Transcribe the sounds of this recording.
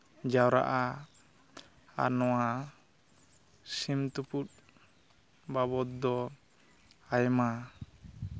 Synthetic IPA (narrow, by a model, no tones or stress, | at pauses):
d͡ʒawɾa̰ʔa | a̰nɔwa | simt̪uput̪̚ | babɔt̪̚d̪ɔ | ajma